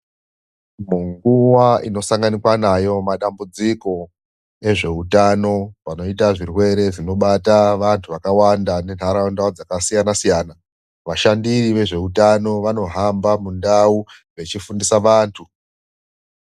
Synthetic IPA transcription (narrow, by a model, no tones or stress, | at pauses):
muŋɡuwaʔino̞saŋɡanikwanajo̞maɗambud͡ziko̞ | e̞ʐe̞utano̞ʋano̞itaʐirwe̞ɾe̞ʐino̞ɓataʋantʰuʋakawandane̞n̤ʱaɾaondawud͡zakasijanasijaːna | ʋaʃandiriʋe̞ʐe̞utano̞ʋano̞ɦambamundau | ʋe̞t͡ʃifundisaʋaːntʰu